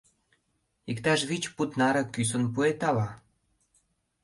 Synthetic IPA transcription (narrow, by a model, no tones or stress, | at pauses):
ikt̪ɑʃβit͡ɕput̪nɑɾɤ̆kys̬ə̆npuet̪ɑlɑ